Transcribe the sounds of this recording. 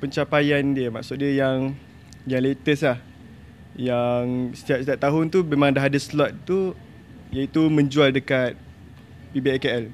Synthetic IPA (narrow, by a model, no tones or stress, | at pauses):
pəɲt͡ʃapajandiəma̰ksʊt̪̚diəjaŋ | jaŋlet̪əslah | jaŋsə̥t̪iaʔsət̪iaʔt̪aɦʊnt̪umemãŋdaɦadaslɔt̪̚t̪u | jait̪umə̃ɲd͡ʒualdəkat̪̚ | pibeɛkeɛl